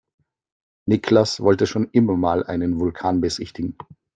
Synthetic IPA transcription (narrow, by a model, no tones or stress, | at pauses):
nɪkʰlasvɔltəʃoːnʔɪmɐmaːlʔa̰ɪnənvʊlkʰaːnbəzɪçtɪɡŋ̩